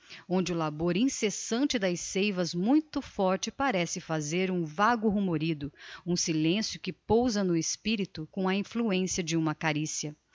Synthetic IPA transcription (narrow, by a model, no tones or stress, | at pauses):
õnd͡ʒɪʊlaboɾĩsesɐ̃nt͡ʃɪd̪ɐjsejvɐzmũj̃t̪ʊfɔɾt͡ʃɪpaɾɛsɪfazeɾũvaɡʊɦumoɾid̪ʊũsilẽsjʊkɪpowzɐnʊɪspiɾit̪ʊkõɐĩfluẽsjɐd͡ʒɪũmɐkaɾisjɐ